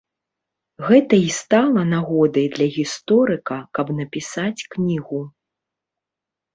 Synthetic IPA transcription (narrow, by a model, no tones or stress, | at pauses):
ɣɛt̪ɐist̪alˠɐnaɣɔd̪ɐjd̪lʲɐɣʲist̪ɔɾɨkɐkɐbnɐpʲisat͡sʲknʲiɣu